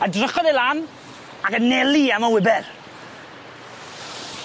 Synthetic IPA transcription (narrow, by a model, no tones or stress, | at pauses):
adrəχɔdelˠan | akənɛliamawɪbɛð